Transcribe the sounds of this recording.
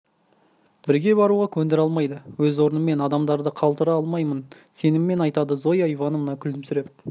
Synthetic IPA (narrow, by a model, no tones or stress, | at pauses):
b̥ɪɾɡʲe̞bɑɾuʁɑkʲʰɵnd̪ɪɾɑlˠmɑjd̪əwɵzwo̞ɾənəme̞nɑd̪ɑmd̪ɑɾd̪əqʰɑlˠt̪əɾɑɑlˠmɑjmən | se̞nɪmːe̞nɑjt̪ɑd̪əzo̞jɑjvɑnəmnɑkʲʰʏld̪ɪmsʏɾe̞p̚